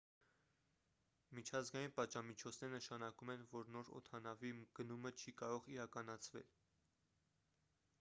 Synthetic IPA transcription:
mit͡ʃʰɑzɡɑjinpɑd̪ʒɑmit͡ʃʰɔt͡sʰnɛɾənəʃɑnɑkumɛnvɔɾnɔɾɔ̰t̪ʰɑnɑviɡ̥ənumət͡ʃʰikɑɾɔʁiɾɑkɑnɑt͡sʰvɛ̰l

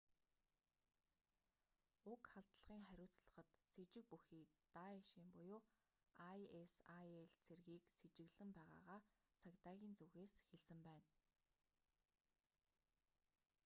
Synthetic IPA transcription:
ʊkχaɮt̪ɮəʁ̥iːŋχæɾʲʊːt͡sɮə̆χə̆t̪set͡ɕɪ̆k̚puxiːt̪aeʃiːmpʊjʊː | ajesajeɮt͡sʰerɣiːkset͡ɕɪ̆ɣɮɘ̆mpæːʁa̰ːʁaːt͡sʰakt̪aːɣʲiːnt͡suɣeːsxeɮsɘ̆mpæːn

